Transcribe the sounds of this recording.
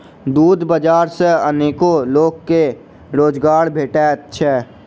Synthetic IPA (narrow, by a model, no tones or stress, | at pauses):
d̪uːd̪bəd͡ʒaːɾseəneːkoloːɡkːe | ɾoːd͡ʒɡaːɾbʱeːʈeət̪ːʃʰɛː